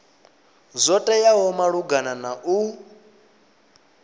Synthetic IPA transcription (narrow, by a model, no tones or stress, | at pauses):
zʷɔtʼajaɦɔmaɺuɡananaʔu